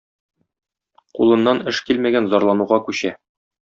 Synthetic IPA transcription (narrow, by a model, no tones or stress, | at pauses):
qṵlˠɤ̆nːɑnɘʃkilmæɡænzɒɾlˠɑnuʁɑkʉɕæ